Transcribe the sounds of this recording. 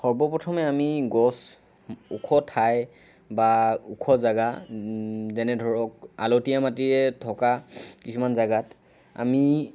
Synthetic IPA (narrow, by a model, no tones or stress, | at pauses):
xɔɹbɔpɹɔtʰɔmɛamiɡɔs | ukʰɔtʰaj | baukʰɔzaɡa | zɛnɛdʱɔɹɔk̚a̰lotijamatiɹɛtʰɔkakisumanzaɡat | a̰mi